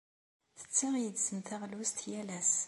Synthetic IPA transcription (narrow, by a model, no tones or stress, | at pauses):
θə̥t͡sːiʁjəd̪səmθæʁlust̪jælæs